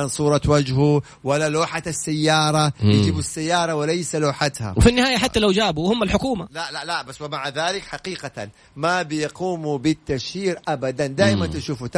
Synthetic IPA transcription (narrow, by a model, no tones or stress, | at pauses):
ansˤuːɾˤɑwad͡ʒhu | walːaloːħat̪asːajːɑːɾˤɑjɪd͡ʒibsːajːɑːɾˤɑwɪlajsaloːħat̪ha̰wfinːɪhaːjaħat̪ːalawd͡ʒaːbuhʊmːalħʊkuːmalalalabasːwɪmaʕaðaːlɪkħaqiːqaan | mabɪjquːmubɪt̪ːaʃiːɾʔabad̪and̪aːʔɪmant̪ɪʃuːfut̪a